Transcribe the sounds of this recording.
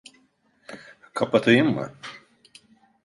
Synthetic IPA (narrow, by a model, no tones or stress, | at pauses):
kʰapat̪ʰɯjɯmːɯ̰